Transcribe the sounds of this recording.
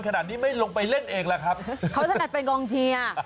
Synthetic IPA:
nkʰa˧naː˨˩t̪̚niː˦˥ma˥˩jlo˧ŋpa˧jle˥˩nʔeː˧ŋla˦˥kʰɾa˦˥p̚kʰa˦˥wt̪a˧na˨˩t̪̚pe˧nkɔː˧ŋt͡ɕʰiː˧a˧˩

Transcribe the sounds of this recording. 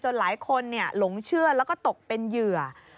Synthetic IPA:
t͡ɕo˧nlaː˩˦jkʰo˧nːi˥˩ɐlo˩˦ŋt͡ɕʰɯ˥˩ɐlɛː˦˥wkɔː˥˩t̪o˨˩k̚pe˧njɯ˨˩ɐ

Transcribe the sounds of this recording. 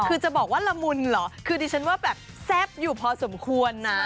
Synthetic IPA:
kʰɯː˧t͡ɕa˨˩bɔː˨˩k̚waː˥˩la˧mu˧nlɔ˩˦kʰɯː˧diː˧t͡ɕʰa˦˥nwaː˥˩bɛː˨˩p̚ | sɛ˦˥˩p̚juː˨˩pʰɔː˧so˩˦mkʰu˧ənːa˦

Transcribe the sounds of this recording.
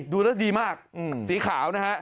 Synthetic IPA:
duː˧ɾa˦˥˩diː˧maː˥˩k̚ːsiː˩˦kʰaː˩˦wna˦˥kʰa˦˥

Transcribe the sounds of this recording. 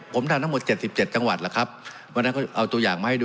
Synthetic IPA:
pʰo˩˦mtʰa˧na˥mo˨˩t̪̚t͡ɕe˨˩t̪̚si˨˩p̚t͡ɕe˨˩t̪̚t͡ɕa˧ŋwa˨˩t̪̚la˨˩kʰa˦˥p̚ | wa˧na˦˥kɔː˥˩ʔa˧wt̪u˧ɐjaː˨˩ŋmaː˧˩ha˥˩d

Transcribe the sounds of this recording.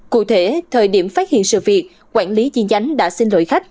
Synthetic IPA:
kṵ˧˨t̪ʰe˧˩t̪ʰəː˨˩jɗi˧˩əmfaː˦˥t̚hḭ˧˨ənsɨ̰˧˨vi˨˩ət̚ | kwaː˧˩nli˨˦t͡ɕi˧ənt͡ɕa˨˦jŋ̟ɗa̰ː˧˥si˧ŋ̟lo̰˧˨jxa˦˥jk̟̚

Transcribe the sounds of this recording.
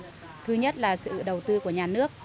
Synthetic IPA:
t̪ʰɨ˧ɲə˦˥t̚laː˨˩sɨ̰˧˨˧ɗə˨˩wt̪ɨ˧ku˧˩əɲaː˨˩nɨ˦˥ək̚

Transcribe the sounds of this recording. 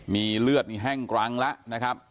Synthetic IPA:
miː˧lɯ˥˩ət̪̚miː˧ɦɛ˥˩ŋkɾa˧ŋla˦˥ʔna˦˥kʰa˦˥p̚

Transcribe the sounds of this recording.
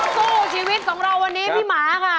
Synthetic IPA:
soː˥˩˨t͡ɕʰiː˧wi˦˥t̪̚kʰɔː˩˦ŋɾa˧wːa˧nːiː˦˥pʰiː˥˩maː˩˦˧kʰa˥˩

